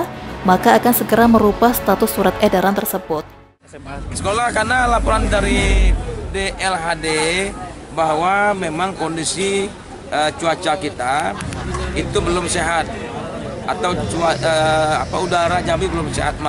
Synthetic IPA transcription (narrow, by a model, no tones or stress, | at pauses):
makaːkansəɡəɾaməɾupast̪at̪ʊsːuɾat̪edaɾant̪ərsəbʊt̪̚ | sə̥kolahkarnalapoɾandaɾi | deʔɛlɦade | bahwamemaŋkondisi | ət͡ʃuat͡ʃakit̪a | it̪ubəlʊmseɦat̪̚at̪awt͡ʃuaəapaudaɾad͡ʒabibəlʊmseɦat̪̚ma